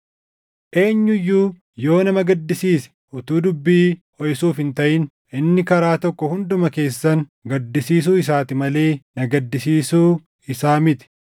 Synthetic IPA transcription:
ʔe̞ːɲːʊjːuː | jo̞ːnɐmɐɡɐd̪ːɪsiːsɛ̥ʔʊt̪uːd̪ʊbːiː | ɔjsuːfhɪnt̪ɐʔɪn | ʔɪnːɪkɐɾaːt̪ɔkːɔhʊnd̪ʊmɐke̞ːsːɐŋɡɐd̪ːɪsiːs̬uːɪs̬aːt̪ɪmɐle̞ːnɐɡɐd̪ːɪsiːsuː | ɪsaːmɪt̪ɪ̥

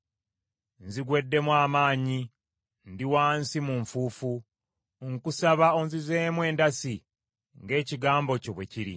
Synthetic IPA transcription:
nziɡwe̞dːe̞mwaːmaːɲi | ndiwaːnsimuɱfuːfu | ŋkusaβaonzizeːmwe̞ːndasi | ŋɡe̞ːciɡaːmbo̞coβwe̞ciɾḭ

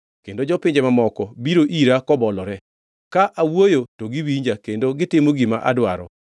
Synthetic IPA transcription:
kendod͡ʒɔpɪɲd͡ʒɛmamɔkɔbiɾoʔiɾakɔbɔlɔɾɛ | kaʔawojotoɡiwiɲd͡ʒakendoɡɪtɪmoɡima̰ʔa̰dwaɾɔ̰

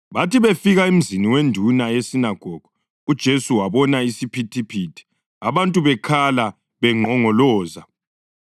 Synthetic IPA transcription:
βatiβefiɣaim̩ziniwendʱunajesinaɡ̥ʱɔɡ̥ʱu | ud̥ʒ̥ʱesuwaβɔnaisipʰitʰipʰitʰi̥ | aβantʼuβɛkʰala | βɛŋ͡ǃʱɔŋɔlɔːza

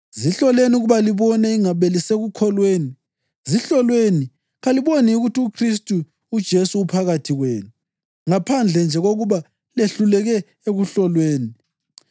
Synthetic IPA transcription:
ziɬɔleniuɣuβaliβɔnɛiŋaβeliseɣukʰɔlweːni | ziɬɔlweni | ɣaliβoniuɣutiukʰris̬tʼuː | d̥ʒ̥ʱesuːpʰaɣatʰiɣwḛːnu | ŋapʰand͡ɮʱɛnd͡ʒʱɛɣoɣuβa | leɬulɛɣɛ | eɣuɬɔlweːni

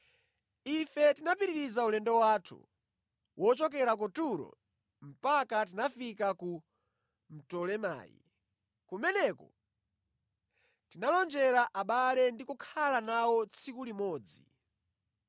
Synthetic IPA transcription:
ifɛtinapiɾiɾizaulɛndɔwaːtʰṵ | wʔɔt͡ʃɔk̬ɛɾak̬ɔtuɾɔ̰ | m̩pakat̬inafikaku | m̩tɔlɛma̰ːjḭ | kumɛnɛkɔ̰ | tinalɔnd͡ʒɛɾaʔaɓalɛndikukʰalanawɔt͡sʰikulimɔːd͡zi

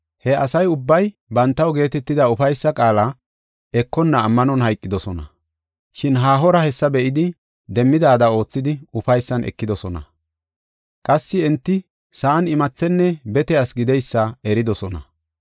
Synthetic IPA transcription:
hɛɐsɐjʊbːɐj | bɐnt̪ːɐwɡe̞ːt̪ɛt̪ːɪd̪ɐʊfɐjsːɐkʼaːlɐ | ɛkːɔnːɐːmːɐnɔnɦɐjkʼːɪd̪ɔsɔnɐ̰ | ʃɪnɦaːɦɔɾɐhɛsːɐbɛʔɪd̪ɪ | d̪ɛmːɪd̪aːd̪ɐo̞ːt͡sːɪd̪ɪʊfɐjsːɐnʔɛ̰kːɪd̪ɔsɔnɐ̰ | kʼɐsːɪɛnt̪ːɪ | sɐːnɪmɐt͡sːɛnːɛbɛt̪ɛɐsɡɪd̪ɛjsːɐɛɾɪd̪ɔsɔnɐ̰

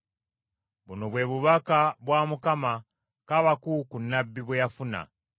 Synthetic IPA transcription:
βunoβweβuβakaβwamukama | kaβakukunːabːiβwejafuna̰

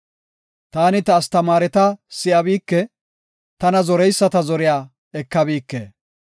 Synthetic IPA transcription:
t̪aːnɪt̪ɐːst̪ɐmaːɾɛt̪ɐsɪʔɐbiːkːɛ | t̪ɐnɐzɔɾɛjsːɐt̪ɐzɔɾɪjaː | ɛkːɐbiːkːḛː

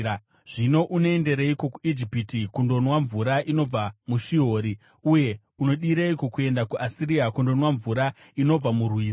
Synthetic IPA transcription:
ʐ̥ino̞ʔunoende̞ɾeiko̞kuid͡ʒipitikundo̞nwaɱvuɾaʔino̞b͡vamuʃio̞ːɾi | uje̞ | uno̞ɗiɾeiko̞kue̞ndakuʔasiɾiakundo̞nwaɱvuɾa | ino̞b͡vamurwiː

